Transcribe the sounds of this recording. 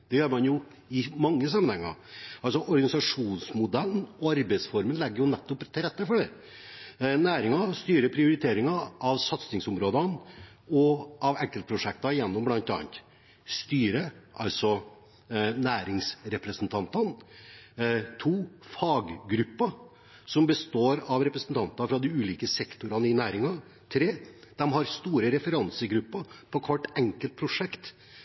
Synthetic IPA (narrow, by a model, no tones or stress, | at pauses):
d̪̥ɛjøːɾmɑnjʊ | ɪmɑŋːəsɑmənhɛŋːɑ̰ɑlsɔʔɔɾɡɑnɪsɑʂuːnsmʊd̪ɛlnɔɑɾbɛɪsfɔɾmənlɛɡːəɾjʊnɛt̪ːɔpt̪ʰːɪlɾɛt̪ːəfɔɖɛ | næːɾɪŋɑst̪yːɾəpʰɾɪʊɾɪt̪ʰeːɾɪŋɑʔɑʋsɑt̪snɪŋsʊmɾoːd̪ɑn | ɔʔɑʋɛŋkːəlpʰɾʊʂɛk̚t̪ɑjɛnːɔmblɑnt̪ɑ̰ːnt̪ | st̪yːɾəʔɑ̰lsɔ | næːɾɪŋsɾɛpɾəsənt̪ʰɑnt̪ɑn | t̪ʰuːfɑːɡɡɾʉpːɑ | sɔmbəst̪oːɾɑʋɾɛpɾəsənt̪ɑnt̪ɑfɾɑd̪ɪʉːliːkəsɛkt̪ʊɾɑnəɪnæːɾɪŋɑ | t̪ʰɾeːd̪̥ɛmɦɑɾst̪uːɾəɾɛfəɾɑnsəɡɾʉpːɑpʰɔkʰʋɔʈːɛŋkəlt̪̚pʰɾʊʂɛkt̪